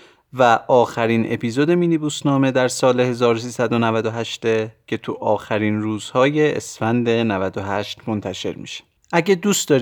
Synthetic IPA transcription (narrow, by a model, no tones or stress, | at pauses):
væʔɒːxæɾinʔe̞̰pʰiːzo̞d̪e̞miːnibuːsnɒːme̞d̪æɾsɒːle̞he̞zɒːɾosiːsæd̪o̞nævæd̪o̞ɦæʃt̪ecʰe̞t̪ʰuʔɒːxæɾinruːzhɒːje̞ʔḛsfænd̪enævæd̪o̞ɦæʃt̪mo̞nt̪ʰæʃe̞̰ɾmḭʃe̥ | ʔæɟed̪ust̪d̪ɒːɾ